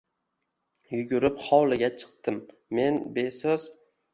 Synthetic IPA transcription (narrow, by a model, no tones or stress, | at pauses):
jʊɡʲʊɾɪpχɒwlˠɪɡʲat͡ʃʰɨ̥q̚t̪ɪmː | e̞nbe̞soz